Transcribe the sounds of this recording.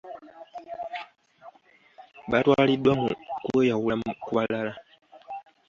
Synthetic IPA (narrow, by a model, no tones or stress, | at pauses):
ɓatwaːlidwamukuejawulakuβalala